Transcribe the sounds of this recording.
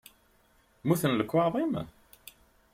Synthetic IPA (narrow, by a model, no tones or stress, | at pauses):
muθənləkːwɑðˤim